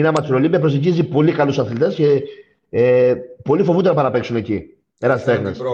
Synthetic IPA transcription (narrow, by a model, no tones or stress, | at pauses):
inɐmɐsuɾolimbiɐp̬ɾo̞s̬eɟizipo̞likɐlusɐθilit̪e̞sce | po̞lifo̞vut̪enɐpɐnɐpeksune̞ci | eɾɐst̪eɣnes